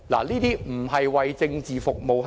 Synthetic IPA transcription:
la̰ː˨˩niː˥t̪iː˥m̩˨˩ɦɐ˨jwɐ˨jt͡sɪ˧ŋt͡siː˨fʊ˨k̚mo˨wɦ

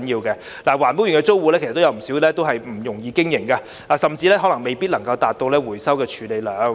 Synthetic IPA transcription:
njiː˧wkɛː˧ | laː˨˩waː˨˩np̬u˨˥jy˨˩nkɛ˧t͡so˥wwuː˨˧lɛ˥kt̪ːjɐ˨˧wm̩˨˩si˨˥wlɛː˥t̪o˥wɦɐ˨jm̩˨˩jʊ˨˩ŋjiː˧kɪ˥ŋjɪ˨˩ŋkaː˧ | aː˨˧sɐ˨mt͡siː˧lɛː˥ɦɔ˨˥lɐ˨˩ŋme˨jpi˥t̚lɐ˨˩ŋkɐ˧wt̪aː˨t̚t̪o˧wlɛː˥wuː˨˩jsɐ˥wkɛː˧t͡ʃʰyː˨˧le˨˧jlœː˨˧ŋ

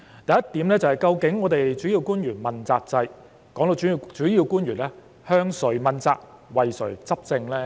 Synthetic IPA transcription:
t̪ɐ˨jɐ˥t̪ːiː˨˥mlɛː˥t͡sɐ˨˩hɐ˨jkɐ˧wkɪ˨˥ŋːɔː˨˧t̪e˨jt͡ʃyː˨˥ji˧wkuː˥njyː˨˩nmɐ˨nt͡saː˧k̚t͡sɐ˧j | kɔː˨˥ŋt̪o˨˧˨t͡ʃyː˨˥jiː˨˧wkuː˥njyː˨˩nlɛː˥ | hœː˥ŋsɵ˨˩ɥmɐ˨˧nt͡sa̰ː˧k̚wɐ˨jsɵ˨˩ɥt͡sɐ˥p̚t͡sɪ˧ŋlɛː˥

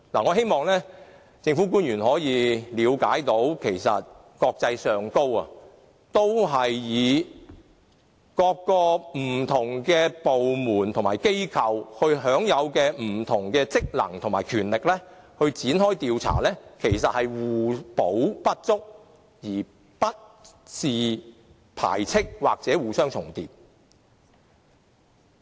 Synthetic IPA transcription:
laː˨˩ŋɔː˨˧ɦe˥jmɔː˨˧ŋlɛː˥ | t͡sɪ˧ŋfuː˨˥kuː˥njyː˨˩nhɔː˨˥jiː˨˧liː˨˧wkaː˨˥jt̪o˨˥wkʰe˨˩jsɐ̰˨t̚ | kɔː˧k̚t͡sɐ˧jsœː˨ŋko˥wɐ̰˨ | t̪o˥wɦɐ˨jːiː˨˧ | kɔː˧kːɔː˧m̩˨˩t̪ʰʊ˨˩ŋkɛː˧po˨wmuː˨˩nt̪ʰʊ˨ŋmaː˨˩jke˥jkʰɐ˨˧whɵ˧ɥɦœː˨˥ŋjɐ˨˧wkɛː˧m̩˨˩t̪ʰʊ˨˩ŋkɛː˧t͡sɪ˥k̚lɐ̰˨˩ŋt̪ʰʊ˨˩ŋmaː˨˩jkʰyː˨˩nlɪ˨k̚lɛː˥hɵ˧ɥt͡siː˨˥nhɔː˥jt̪iː˧wt͡sʰa̰ː˨˩lɛː˥kʰe˨˩jsɐ˨t̚hɐ˨jwuː˨˩po˨˥wpɐ˥t̚t͡sʊ˥k̚ | jiː˨˩ | pɐ˥t̚ | t͡siː˨ | pʰa̰ː˨˩jt͡sʰɪ˥k̚waː˨k̚t͡sɛː˨˥wuː˨sœː˥ŋt͡sʰʊ˨˩ŋt̪iː˨p̚

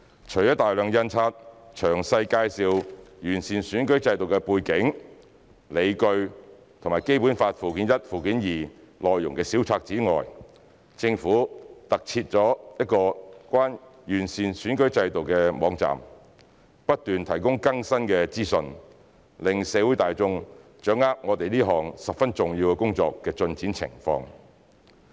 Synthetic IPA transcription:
t͡ʃʰɵ˨˩ɥjt̪aː˨jlœː˨ŋjɐ˧nt͡sʰaː˧t̚t͡ʃʰœː˨˩ŋsɐ˧jkaː˧jsiː˨˧wjyː˨˩nsiː˨nsyː˨˥nkɵ˨˥ɥt͡sɐ˧jt̪o˨wkɛ˧puː˧jkɪ˨˥ŋ | le˨˧jkɵ˧ɥ | t̪ʰʊ˨˩ŋmaː˨˩jke˥jpuː˨˥nfaː˧t̚fuː˨˩kiː˨˥njɐ˥t̚fuː˨˩kiː˨˥njiː˨˩lɔː˨jːʊ̰˨˩ŋkɛː˧siː˨˥wt͡sʰaː˧k̚t͡siː˨˥ŋɔ̰ː˨˩j | t͡sɪ˧ŋfuː˨˥t̪ɐ˨k̚t͡sʰiː˧t̚t͡ʃɔː˨˥jɐ˥t̚kɔː˧kʷaː˥njyː˨˩nsiː˨nsyː˨˥nkɵ˨˥ɥt͡sɐ˧jt̪o˨wkɛː˧mɔː˨˧ŋt͡sa̰ː˨˩m | pɐ˥t̚t̪yː˨nt̪ʰɐ˨˩jkʊ˥ŋkɐ˥ŋsɐ˥nkɛ˧t͡siː˥sɵ˧n | lɪ˨ŋsɛː˨˧wuː˨˥jt̪aː˨jt͡sʊ˧ŋt͡ʃœː˨˥ŋaː˥k̚ŋɔː˨˧t̪e˨jliː˥ɦɔː˨˩ŋsɐ˨p̚fɐ˥nt͡sʊ˨˩ŋji˧wkɛ˧kʊ˥ŋt͡sɔ̰ː˧kːɛː˧t͡sɵ˧nt͡siː˨˥nt͡sʰɪ̰˨˩ŋfɔ̰ː˧ŋ

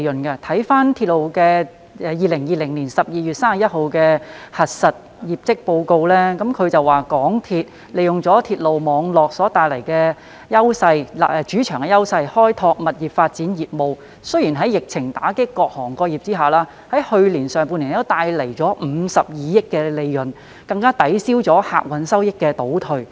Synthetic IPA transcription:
jɵ˨˩nkɐ˧t̪ʰɐ˨˥jfaː˥nt̪ʰiː˧t̚lo˨˩wkɛː˧ | ɛː˧jiː˨lɪ˨˩ŋjiː˨˧lɪ˨˩ŋliː˨˩nsɐ˨p̚jiː˨jy˨t̚saː˥ma˨˩jɐ˥t̚ho˨˧wkɛː˧hɐ˨t̚sɐ˨t̚ | jiː˨p̚t͡sɪ˥k̚po˧wko˧wlɛː˥kɐ˨˥mkʰɵ˨˧ɥt͡sɐ˨waː˨kɔː˨˥ŋt̪ʰiː˧t̚ | le˨˩jʊ˨ŋt͡sɔː˨˥t̪ʰiː˧t̚lo˨wmɔː˨˧ŋlɔː˨k̚sɔː˨˥t̪aː˨jlɐ˨˩jkɛː˧ | jɐ˥wsɐ˧jla̰˨ʔɛ˧t͡ʃyː˨˥t͡ʃʰœː˨˩ŋkɛ˧jɐ˥wsɐ˧jhɔː˥jt̪ʰɔː˧k̚mɐ˨t̚jiː˨˩p̚faː˧t̚t͡siː˨˥njiː˨˩p̚mo˨w | sɵ˥jiː˨˩nɦɐ˨˥jɪ˨k̚t͡sʰɪ˨˩ŋt̪aː˨˥kɪ˥kːɔː˧k̚hɔː˨˩ŋkɔː˧jiː˨p̚t͡siː˥ɦaː˨˩laː˥ | hɐ˨˥jhɵ˧ɥliː˨˩nsœː˨˩ŋpuː˧nliː˨˩t̪o˥t̪aː˧jle˨˩jt͡sɔː˨˥m̩ː˨˧˦sɐ˨p̚jiː˨˧jɪ˥kːɛː˧le˨˧jːɵ˨˩n | kɐ˧ŋkaː˥t̪ɐ˨˥jsiː˥wt͡sɔː˨˥ha̰ː˧k̚wɐ˨˥nsɐ˥wjɪ˥kːɛː˧t̪o˨˥wt̪ʰɵ˨˩ɥ

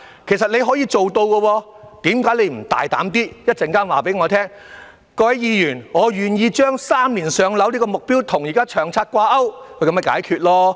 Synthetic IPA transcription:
kʰe˨˩jsɐ˨t̚le˨˧jɦɔ˨˥jiː˧t͡so˨wt̪o˧wkɔː˧wɔː˧ | t̪iː˨˥mkaː˨˥jle˨˧jm̩˨˩t̪a̰ː˨jt̪a̰ː˨˥mt̪iː˥jɐ˥t̚t͡sɛ˨ŋkaː˥nwaː˨˩pe˨˥jŋɔː˨˧t̪ʰɛː˥ŋ | kɔː˧hɐ˨˥jiː˨˧jyː˨˩nŋɔː˨˧jyː˨˩njiː˧t͡ʃœː˥ŋsaː˥mliː˨˩nsœː˨˧ŋlɐ˨˥wlei˥kɔː˧mʊ˨k̚piː˥wt̪ʰʊ˨˩ŋji˨kaː˥t͡ʃʰœː˨˩ŋt͡sʰaː˧t̚kʷaː˧ʔɐ˥wkʰɵ˨˧jkɐ˧˥mɐ˧˩ka̰ː˨˥jkʰyː˨˧t̚lɔː˥

